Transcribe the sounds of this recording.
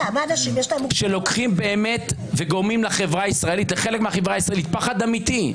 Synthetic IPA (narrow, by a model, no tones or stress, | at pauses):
amaanaʃimjeʃlaemʃe̞lo̞kχimbe̞ːme̞t̪veɡo̞ʁmimlaχe̞vʁaisʁaelitleχe̞lekmeaχevʁaːisʁaelit̪̚paχad̪amit̪i